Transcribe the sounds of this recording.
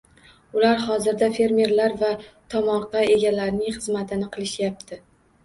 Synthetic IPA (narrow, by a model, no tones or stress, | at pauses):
ʊlaɾhɒzɪɾd̪afe̞ɾmʲe̞ɾlaɾvat̪ʰɒmɒɾqɑe̞ɡʲalaɾnɪŋχɨzmat̪ʰɪnɪqʰɨlˠɪʃjap̚t̪ʰɪ